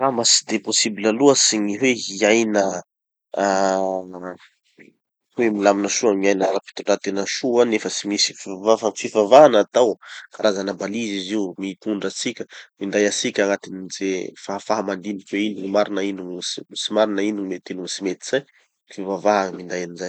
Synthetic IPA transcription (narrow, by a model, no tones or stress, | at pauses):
ramasi̥d̪eposibilaluəsiɲiɦweiajnə | a | hwemilaminəʃuamiajnəɾapi̥t̪uʈ͡ʂat̪enəʃuanefət͡simisifvafafifavaanat̪awkaɾʔazanabaliziziumiit̪uɳɖ͡ʐət͡sikʲə̥mind̪ajasikʲaŋat̪inizefaɦafaɦamand̪inikʲweinuŋimaɾinainuŋsimisimaɾinainiŋmet̪enuŋisimet̪i̥z̥aj | fivavaɦamind̪ajanizaj